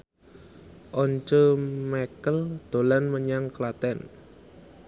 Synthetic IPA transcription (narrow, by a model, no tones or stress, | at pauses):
ʔɔɲt͡ʃomakəld̪̥o̤lanməɲaŋklat̪ɛn